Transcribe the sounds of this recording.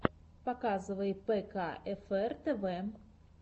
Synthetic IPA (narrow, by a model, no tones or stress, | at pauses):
pakazɨvɐjɛpɛkaɛfɛrt̪ɛvɛ